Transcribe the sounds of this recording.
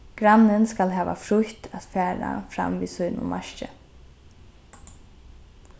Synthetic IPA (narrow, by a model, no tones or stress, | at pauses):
ɡ̥ɾanːɪnskalɦɛːʋa̰fɾʊçt̪ʰat̪fæːɾa̰fɾa̰mviːsɔjnʊ̰mʔaʃt͡ʃɪ